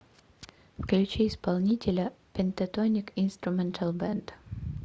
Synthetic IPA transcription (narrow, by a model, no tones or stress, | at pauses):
fklʲʉt͡ɕiɪspɐlˠnʲitʲɪlʲəpʲɪnt̪ɐt̪onʲɪkɪnst̪ɾʊmʲɛnt̪ʰɐlˠbɛnt̪